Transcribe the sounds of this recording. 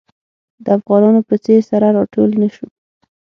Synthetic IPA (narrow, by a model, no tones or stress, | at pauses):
d̪əafɣɑnɑnopət͡seɾsaɾaɾɑʈolnaʃu